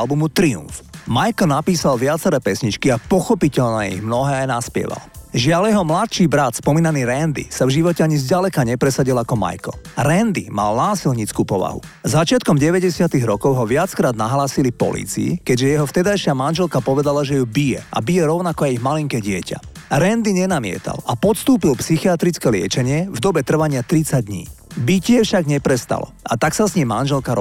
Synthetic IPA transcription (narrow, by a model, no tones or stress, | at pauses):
lbumut̪ɾiṵɱfmajkl̩napiːsalʋɪat͡sɛɾɛːpɛsɲit͡ʃkiapɔxɔpicɛʎnɛḭɣmnɔɦɛːajnaspɪɛ̰ʋa̰lʒɪaljɛɦɔmlat̪ʃiːbɾat̪spɔmiːnaniːɾɛnd̪ḭsavʒiʋɔcɛaɲizɟalɛkaɲɛpɾɛsaɟilakɔma̰jklɾɛnd̪ḭma̰lnaːsilɲit͡skuːpɔʋa̰ɦṵ | zat͡ʃɪat̪kɔmɟɛʋɛɟɛsɪat̪iɣɾɔkɔʊɦɔʋɪat͡skɾaːd̪̚naɦlaːsilipɔ̰lḭːt͡sḭḭkɛɟʒɛjɛɦɔft̪ɛd̪ajʃɪamanʒɛlkapɔʋɛd̪alaʒɛjubijɛ̰a̰bijɛɾɔʊnakɔajiɣmaliŋkɛɟɪɛca̰ɾɛnd̪iɲɛnamɪɛ̰t̪a̰lapɔt̪st̪uːpilpsixiat̪ɾit͡skɛlɪɛ̰t͡ʃɛɲɪɛvd̪ɔbɛt̪r̩ʋaɲɪat̪ɾit͡saɟ̚d̪ɲḭː | bicɪɛfʃaɡɲɛpɾɛst̪a̰lɔ̰a̰t̪aksazɲimːanʒɛlkaɾɔ